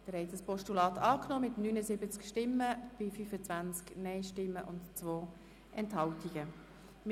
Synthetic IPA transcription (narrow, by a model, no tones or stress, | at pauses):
d̥əɾhɛɪtəspɔʃtulɑːtʰɑːknoːmɪtnyːnəzɪbət͡skʃtɪmːəb̥ɪfyfət͡svant͡sknɛɪʃtɪmːəʔʊntt͡svoː | ʔɛnthɑltiɡ̥ə | m